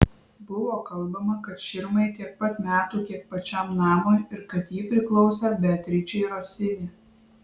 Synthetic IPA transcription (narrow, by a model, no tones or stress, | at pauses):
bʊʋoːkɐlˠˑbɐmɐkɐt̪ʃʲɪɾmɐɪt̪ʲiɛk̚pɐt̪mʲæːt̪uːk̪ʲiɛk̚pɐt͡ʃʲæmnɑːmojɪɾkɐt̪jiːpʲɾʲɪklˠɒʊsʲɛbʲɛt̪ʲɾʲɪt͡ʃʲɛɪɾoːsʲɪnʲɪ